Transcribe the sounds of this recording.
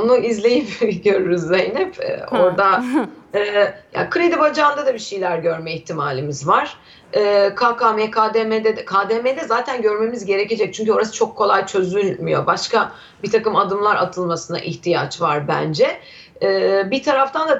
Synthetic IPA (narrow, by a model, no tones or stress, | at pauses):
onuizlʲe̞jipɟø̞ɾyɾyzːejnipɛ̰o̞ɾd̪aɛːja̰ːkʰɯɾed̪ibad͡ʒaːnd̪ad̪abiʃejlʲæɾɟø̞ɾmɛiçt̪ʰimaːlʲimizvaɾ̥ | ɛːkʰaːkaːmɛkʰaːd̪emɛd̪ɛkʰaːd̪emed̪ɛzaːt̪ʰænɟø̞ɾme̞mizɟe̞ɾece̞d͡ʒɛc̚t͡ʃʰyɲc̬yo̞ɾasɯ̥t͡ʃʰo̞kʰːo̞lˠajt͡ʃʰø̞zylʲmijo̞̰baʃka | bit̪ʰakɯmad̪ɯmlˠaɾat̪ʰɯlˠmasɯna̰ʔiçt̪ʰija̰t͡ʃvaɾbæ̰nd͡ʒɛ | ɛːbit̪ʰaɾaft̪ʰand̪a